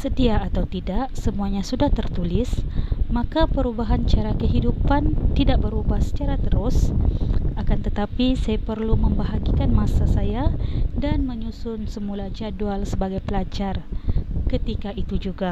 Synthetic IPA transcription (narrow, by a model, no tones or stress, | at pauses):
sədiaːt̪awt̪idaʔsəmuaɲasudaht̪ərt̪ulɪsmakapəɾubaɦant͡ʃaɾakəɦidupant̪idaʔ̚bəɾubahsə̥t͡ʃaɾat̪əɾʊs | akant̪ət̪apisajapərlumə̃mbaɦaɡikanmasasajadanməɲusʊnsəmulad͡ʒadualsəbaɡajpəlad͡ʒarkət̪ikaʔit̪ud͡ʒuɡa